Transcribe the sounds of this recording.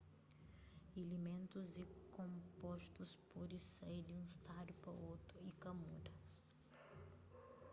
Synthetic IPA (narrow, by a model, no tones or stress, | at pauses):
elimẽnt̪uzikõmpɔst̪uspod̪isejd̪ɪũist̪ad̪jupɾɐ̰owt̪ɾʊikɐmud̪ɐ